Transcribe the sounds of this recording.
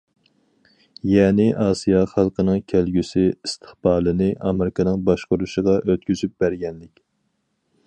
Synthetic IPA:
jɛːnɪʔɑːsijɑχɑlˠqənɨŋkʲʰælɡʲysɪist̪ʰɨ̥χb̥ɑːlˠɨnɨʔɑmɪɾɪkʰɑnɨŋbɑʃqʊɾuʃəʁɑʔøt̪kʲyzyp̚b̥æɾɡʲɛnlɪkʲ

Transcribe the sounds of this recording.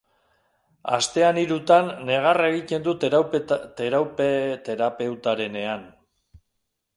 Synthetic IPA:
a̰st̪e̞aniɾut̪anːe̞ɣ̞areɣit̪e̞nd̪ut̪t̪eɾawpet̪e̞ɾape̞wt̪aɾe̞ne̞an

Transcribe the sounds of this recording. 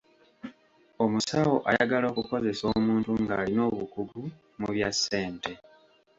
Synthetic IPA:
o̞musawo̞ʔajaɡalo̞ːkuko̞ze̞so̞ːmuːntuŋɡaːlino̞ːβukuɡu | muβjasːe̞ːnte̞

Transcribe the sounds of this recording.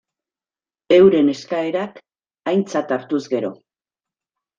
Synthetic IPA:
e̞wɾe̞ne̞skae̞ɾak | ajnt͡sat̪aɾt̪uzɡe̞ɾo̞

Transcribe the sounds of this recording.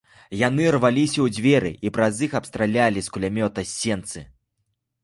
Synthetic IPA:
janɨrvalʲisʲɐwd͡zʲvʲɛɾɨ̰ʔipɾɐzixɐpst̪ɾalʲalʲiskulʲamʲɔt̪ɐsʲːɛnt̪sɨ

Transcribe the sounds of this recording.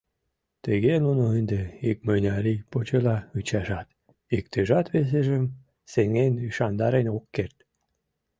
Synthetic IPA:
t̪əɣenunoənd̪eik̚məjnʲɑɾipot͡ɕɤlɑyt͡ɕɑʒɑt̪ | ikt̪əʒɑt̪βes̬eʒə̆m | seŋenyʃɑnd̪ɑɾenokːert̪

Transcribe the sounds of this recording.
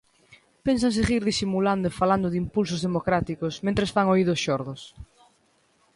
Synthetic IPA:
pens̬aŋs̬eɣiɾðisimuland̪ʊɪfaland̪ʊðimpuls̬ʊzðemokɾat̪ikʊsmẽnt̪ɾesfaŋoiðʊsʃɔɾðʊs

